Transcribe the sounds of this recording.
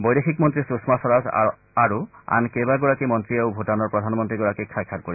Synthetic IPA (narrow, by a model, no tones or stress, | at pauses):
bɔjdexʰikmɔnt̪ɹisusmasɔɹaz | aɹua̰nkebaɡɔɹakimɔnt̪ɹieʊbʱutanɔɹpɹɔdʱanmɔnt̪ɹiɡɔɹakikʰːajkʰːak̚koɹi